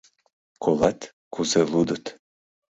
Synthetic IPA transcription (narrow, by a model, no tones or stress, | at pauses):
kolˠɑt̪ | kuzelud̪ət̪